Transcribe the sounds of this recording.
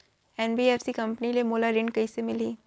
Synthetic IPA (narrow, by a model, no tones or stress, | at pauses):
ɛnbiːeːfsikɐ̃mpnilemoːlaɾɪ̃ɳɖkɐisemɪliː